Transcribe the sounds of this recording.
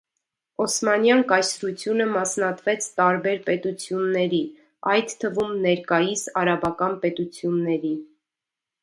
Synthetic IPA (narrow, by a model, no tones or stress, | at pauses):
ɔsmɑnjɑŋkɑjsɾut͡sʰjunəmɑsnɑt̪vɛt͡sʰt̪ɑɾbɛɾpɛt̪ut͡sʰjunːɛɾi | ɑjd̪t̪ʰːəvumnɛɾkɑjisɑɾɑbɑkɑnpɛt̪ut͡sʰjunːɛɾi